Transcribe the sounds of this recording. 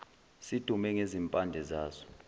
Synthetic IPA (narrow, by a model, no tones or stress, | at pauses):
sid̥ʱumɛŋezimpʼandʱɛzaːsɔ̥